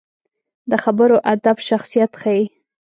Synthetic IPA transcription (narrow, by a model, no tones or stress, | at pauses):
d̪əxabəɾoʔad̪abʃaxsijat̪xaji